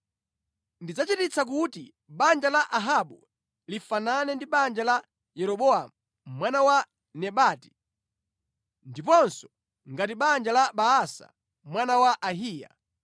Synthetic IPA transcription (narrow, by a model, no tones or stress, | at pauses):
ndid͡zat͡ʃitit͡sak̬uti | ɓand͡ʒalaʔaɦaɓu | lifananɛndiɓand͡ʒala | jɛɾɔɓɔamu | mwanawa | nɛɓaːti̥ | ndipɔnsɔ̥ | ŋɡatiɓand͡ʒalaɓaasa̰ | mwanawaʔaɦiːja̰